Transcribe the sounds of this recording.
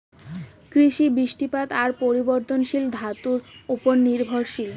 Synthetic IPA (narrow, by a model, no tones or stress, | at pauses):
kɾiʃibiʃʈipat̪aɾpoɾiboɾt̪onʃild̪ʱat̪uɾuponːiɾbʱoɾʃil